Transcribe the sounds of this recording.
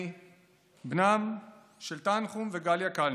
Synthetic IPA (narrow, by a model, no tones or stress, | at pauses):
bnam | ʃelt̪anχumveɡaljakal